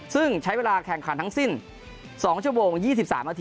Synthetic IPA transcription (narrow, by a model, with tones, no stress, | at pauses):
sɯ˥˩ŋt͡ɕʰa˦˥jweː˧laː˧kʰɛ˨˩ŋkʰa˨˩˦nt̪ʰa˥ŋsi˥˩n | sɔː˩˦ŋt͡ɕʰu˥˩əmoː˧ŋjiː˥˩i˨˩p̚sa̰ː˩˦mːʔaː˧t̪ʰː